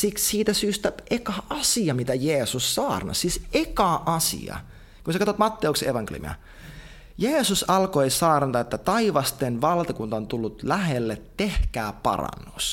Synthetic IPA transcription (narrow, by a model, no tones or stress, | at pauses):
sikssiːt̪æsyːst̪æʔekɑʔɑsiɑmit̪æjeːsussɑːrnɑ̰ssisekɑʔɑsḭɑ̰ | kunsɑkɑt̪ot̪mɑt̪ːeukseeʋɑŋkḛl̰iy̰mḭɑ̰ | jeːsusɑlkoisɑːrnɑt̪ɑet̪ːæt̪ɑiʋɑst̪enʋɑlt̪ɑkunt̪ɑont̪ulːut̪læɦelːet̪tehkæːpɑ̰rɑ̰nːus